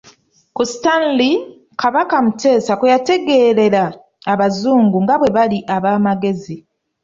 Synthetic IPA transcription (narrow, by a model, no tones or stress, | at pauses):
kustanli | kʰaβakamute̞ːsakujate̞ɡe̞ːɾe̞ɾaː | βazuːŋɡuŋɡaβwe̞βaliʔaβaːmaɡe̞zi